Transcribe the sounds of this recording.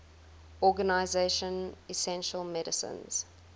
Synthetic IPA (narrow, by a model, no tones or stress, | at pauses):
ɔɡənaɪzeʃə̃nisɛ̃nʃəlˠmɛɾəsə̰̃nz̥